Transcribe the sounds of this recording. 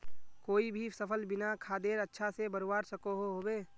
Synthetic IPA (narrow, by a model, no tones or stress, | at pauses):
koːibʱisəpʰəlbɪnakʰaːd̪eːɾətːʃʰasebəɾwaːɾsəkoɦoɦoːbeː